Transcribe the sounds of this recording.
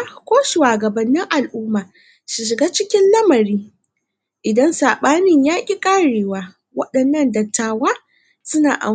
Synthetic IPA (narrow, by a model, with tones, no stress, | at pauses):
kʷoː˦ʃu˨waː˨ɡɐ˨bɐ˨nːɪ˦ŋʔa˨lʔʊː˦maː˨ | ʃɪ˨ʃ̬ɪ˨ɡaː˦t͡ʃɪ˦kʲɪ˦nlɐ˦mɐ˨ɾiː˦ | ʔɪ˨dɐ˦nsaː˨ɓaː˦nɪ˦ɲjaː˦kʲʼi˦kʼaː˦ɽeː˨waː˦ | wɐ˦ɗɐ˨nːɐ˦˨ndɐ˨tːaː˨waː˦ | sʊ˦na̰ː˨ʔa̰˨